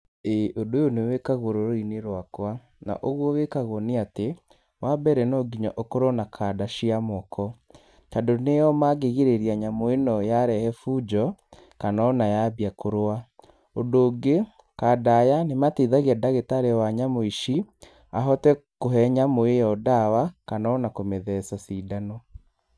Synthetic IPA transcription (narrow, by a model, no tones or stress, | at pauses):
eʔodojonewekaɣoɾoɾoineɾwakwa | na̰ʔoɣwɔwekaɣoɔniate | wabɛɾɛnɔɡiɲɔʔokoɾɔnakʰadaʃiamɔkʰɔ | tadonejɔmaɣeɣeɾeɾiaɲamoenɔjaɾɛhɛfuːd͡ʒɔ | kanɔnajaβiakʰoɾoa | ondoːɡe | kadajanematiðaɣiadaɣetaɾewaɲamoiʃi | aɦɔtɛkoɦɛɲamoejɔdawakanaɔnakomeðɛsasidanɔ